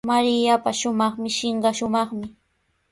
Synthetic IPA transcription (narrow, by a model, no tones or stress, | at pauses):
maɾɪjapaʃʊmɑχmɪʃɪɴɢɑʃʊmɑχmɪ